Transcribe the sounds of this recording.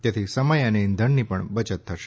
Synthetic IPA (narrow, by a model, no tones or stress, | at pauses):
t̪jet̪ʰisəməjəneɪnd̪ʱəɳnipəɳbət͡ʃət̪ʰːəʃe